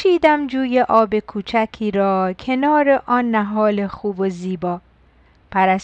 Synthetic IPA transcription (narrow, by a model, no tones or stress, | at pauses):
ʃiːd̪æmd͡ʒuːje̞ʔɒːbe̞kʰuːt͡ʃʰæcʰiːɾɒːcʰe̞nɒːɾe̞ʔɒːnːæɦɒːle̞xuːboziːbɒː | pʰæɾæs